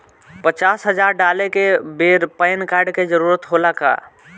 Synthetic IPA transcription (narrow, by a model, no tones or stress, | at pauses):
pət͡ʃasɦəd͡ʒaɾɖalekebeɾpəɪnkaɾɖked͡ʒəɾuːɾət̪ɦolaka̰